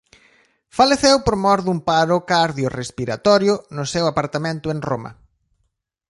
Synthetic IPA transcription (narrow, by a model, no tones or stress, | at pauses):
faleθewpoɾmɔɾðumpaɾʊkaɾðjʊrespiɾat̪ɔɾjʊnʊsewapaɾt̪amẽnt̪ʊeŋromɐ̰